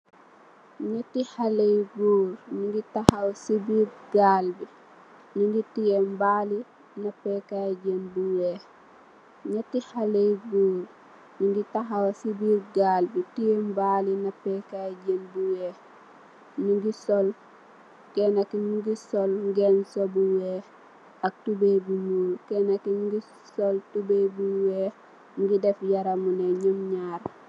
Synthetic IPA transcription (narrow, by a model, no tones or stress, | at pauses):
ɲɛtːihalejɡuːɾɲuŋɡitahawsibiːɾɡalbi | nuŋɡitijembali | napɛkaɟenbuwɛ | ɲetːihalejɡuːɾ | nuŋɡitaxawsibiɾɡaːlbitijembalinapɛkaɟenbuwe | niɡisɔl | kenakimuɡisɔlŋɡensobuwe | ak̚tubebumuːɾkeːnakiɲɡi | soltubebuweː | ŋɡidefjaɾamuneɲumɲaːɾ